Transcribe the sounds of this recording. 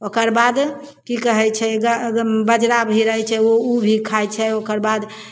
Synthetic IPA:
okəɾbad̪ | kikəɦɛt͡ʃʰɛɡəbəd͡ʒɾabʱiɾəɦɛt͡ʃʰɛoubʱikʰajt͡ʃʰɛokəɾbad̪

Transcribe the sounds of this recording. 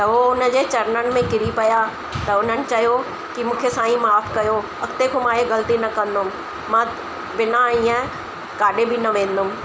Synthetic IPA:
t̪ɐɦoʊnə̆d͡ʑeːt͡ɕɐɾnənɪ̆mẽkɪɾipɐja | t̪ɐʊn̤ənɪ̆t͡ɕɐjo | kimũːkʰesãːĩmaːfkɐjo | ɐkt̪ekʰomãːɦeɣɐlt̪inɐkɐ̃nd̪ʊm̆ | mã | bɪnaiːə̃ | kaːɗebɪnɐʋẽːn̆d̪ʊmɪ̆

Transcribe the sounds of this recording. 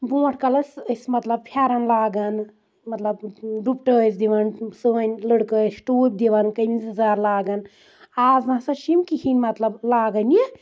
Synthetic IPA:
bõːʈʰkɐlɐsəsmɐt̪lɐb̚pʰjaːɾɐnlaːɡɐn | mɐt̪lɐbɖupʈəːsd̪iʋɐnsɨnʲləɽkəːsʈuːp̚ʲd̪iʋɐnkɐmizɐzaːɾlaːɡɐn | aːznasɐʃimkihinʲmɐt̪lɐblaːɡɐni

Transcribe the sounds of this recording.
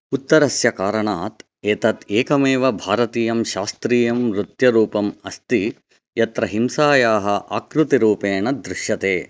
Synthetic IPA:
ut̪ːɐɾɐsjɐkaːɾɐɳaːt̪ | eːt̪ɐt̪eːkɐmeːʋɐbʱaːɾɐt̪iːjɐmʃaːst̪ɾiːjɐmɾut̪jɐɾuːpɐmɐst̪i | jɐt̪ɾɐɦimsaːjaːɦɐʔa̰ːkɾut̪iɾuːpeːɳɐd̪ɾɪʃjɐt̪eː

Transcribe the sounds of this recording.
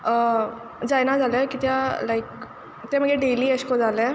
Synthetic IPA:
ə | d͡zajnad͡zalɛkit̪jalaik | t̪eməɡeɖeliːəɕkod͡zalɛ̃

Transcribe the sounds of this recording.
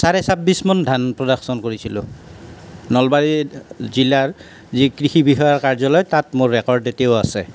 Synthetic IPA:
saɹɛsabːismɔndʱanpɹɔdaxsɔnkoɹisilʊ̰̃ | nɔlbaɹizilaɹ | zikɹixibiɦɔjaɹkaɹzɔlɔjtatmoɹːɛkɔɹdeteoʊasɛ

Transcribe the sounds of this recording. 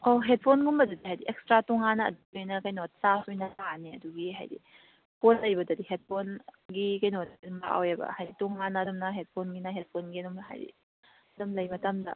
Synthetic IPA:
koɦet̚pʰonɡumɐdudiɦajdiʔekstɾatɔŋanɐ̰ːduojnɐkɐjnot̚sasujnɐtaniɐ̰duɡiɦa̰jdḭ | pʰonlɐjbɐdɐdihet̚pʰonɡikɐjnotdumba̰ʔa̰wjebɐ̰hajditɔŋanɐːdumnɐɦet̚pʰonɡinaɦet̚pʰonɡiɐdumnɐɦa̰jdḭ | dumlɐjmɐtamdɐ̰

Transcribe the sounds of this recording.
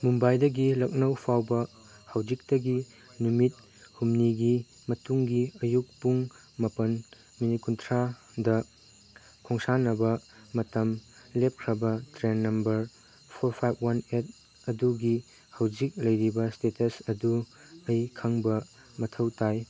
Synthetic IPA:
mumbajdɐɡilɐk̚nɐwpʰawbɐ | hawd͡ʒik̚tɐɡi | numit̚ | humniɡi | mɐtuŋɡiɐjuk̚puŋ | mɐpɐn | minikuntʰɾa | dɐ | kʰoŋsanɐbɐmɐtɐmlep̚kʰɾɐbɐtɾenːɐmbɐɾ | pʰoɾpʰajb̚ʰwanet̚ | ɐduɡi | hawd͡ʒik̚lɐjɾibɐstetɐsɐdu | ɐjkʰaŋbɐ | mɐtʰɐwtaj

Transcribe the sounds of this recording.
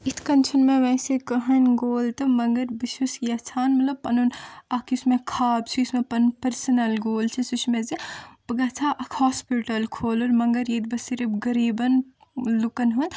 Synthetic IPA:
it̪ʰkɐnt͡ʃʰunmẽʋɛsekɐɦɐnɡoːlt̪ɐmɐŋɡɐɾbiʃʋɐsjɐt͡ʃʰaːnmɐt̪lɐb̚pɐnunɐkʰismẽkʰaːbt͡ʃʰiʊsmẽpɐnpɐɾsənɐlɡoːlt͡ʃʰisut͡ʃʰmẽzibɐɡɐːt͡sʰaʔɐkʰhɔːspiʈɐlkʰoːloɾmɐŋɡɐɾjid̪̚bɐsiɾibɡɐɾiːbɐn | lukɐnɦun

